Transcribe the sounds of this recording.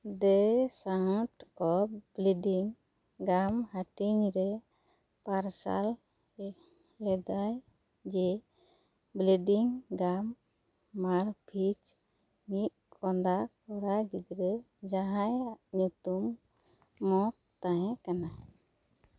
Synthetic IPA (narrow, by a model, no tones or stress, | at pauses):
d̪ɛsãʈɔbleɖiŋ | ɡamhaʈiŋɾɛ | paɾsa̰l | lɛd̪aj | d͡ʒɛ | bleɖiŋɡamː | aɾpʰit͡ʃ | mit̪̚ | kɔnd̪akɔɾaɡid̪ɾɛ | d͡ʒaɦãjɲut̪umː | ɔt | t̪aɦɛ̃kana